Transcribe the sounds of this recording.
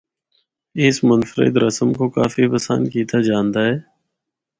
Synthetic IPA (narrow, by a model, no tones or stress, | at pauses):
ɪsmʊnfəɾɪ̰d̪ɾəsəmkoːka̰ːfibəsa̰ːnkiːt̪ʰaːd͡ʒaːnd̪aːɦɛː